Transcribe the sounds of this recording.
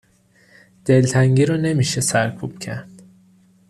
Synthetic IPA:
d̪̥elt̪ʰæŋɟiɾɔne̞miːʃesæɾkʰub̥cʰæɾd̪̥

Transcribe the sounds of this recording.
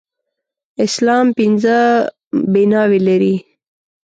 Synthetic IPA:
ɪslɑːmpinzə | binɑwelaɾi

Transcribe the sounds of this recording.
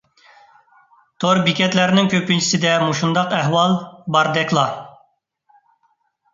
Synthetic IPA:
t̪ʰoɾbikʲɛt̪læɾnɪŋkʲʰøpynt͡ʃʰi̥sɪd̪ɛmuʃund̪ɑqæɦwɑlˠbɑɾd̪ɛkʰʲlˠɑ

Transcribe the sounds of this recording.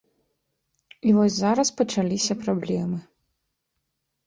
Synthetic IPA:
ivɔzʲzaɾɐspɐt͡ʂalʲisʲɐpɾablʲɛmɨ

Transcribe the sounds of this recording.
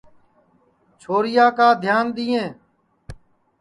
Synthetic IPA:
t͡ʃʰoːɾɪjaːkaːd̪ʱjaːnd̪ɪːẽː

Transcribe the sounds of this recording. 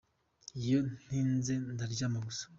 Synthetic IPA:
ijon̥inzendaɾɟamaɡusḁ

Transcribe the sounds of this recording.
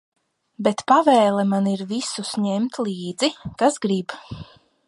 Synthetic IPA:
bet̪pavɛːlˠɛmaniɾvisusɲɛmt̪lˠiːd̪zikasɡɾib

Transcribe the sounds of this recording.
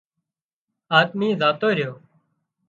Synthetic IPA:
aːt̪miːzaːt̪oːiːɾɪjoː

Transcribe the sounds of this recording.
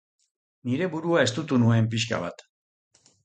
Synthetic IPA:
niɾe̞βuɾuae̞st̪ut̪unue̞mp̬iʃka̰βa̰t̪

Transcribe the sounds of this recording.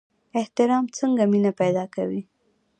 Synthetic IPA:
ɪht̪ɪɾɑmt͡səŋɡaminapajd̪ɑkawi

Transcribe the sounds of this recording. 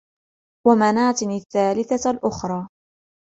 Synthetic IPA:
wamanaːt̪ɪnɪθːaːlɪθalʔʊxɾˤɑː

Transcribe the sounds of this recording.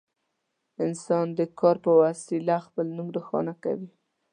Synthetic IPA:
ɪnsɑnd̪əkɑɾpəwasilaxpəlnumd̪əxɑ̰naka̰wi

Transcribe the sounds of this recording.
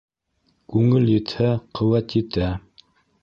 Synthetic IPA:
kʉŋɘljɘ̆t̪hæqʰɤ̆wæt̪ɘt̪æ

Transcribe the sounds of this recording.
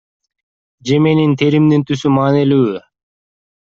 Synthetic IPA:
d͡ʒe̞me̞nint̪ʰeɾimd̪int̪ʰysymɑːnilyːy

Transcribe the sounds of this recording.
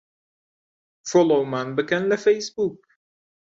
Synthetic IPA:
fɔlomãnbɨɡɛ̃nðəfeɪsbuk

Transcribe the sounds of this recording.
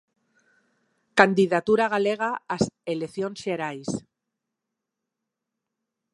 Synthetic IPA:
kand̪iðat̪uɾaɣ̞aleɣ̞aːseleθjonseɾajs

